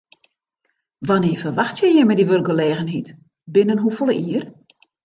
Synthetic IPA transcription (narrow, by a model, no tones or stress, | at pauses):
ʋanɪːəfərʋaxtjɛjjɛmɛdiʋørk̚ɡəleːɣənɦit | bɪnənɦufolˠəʔiər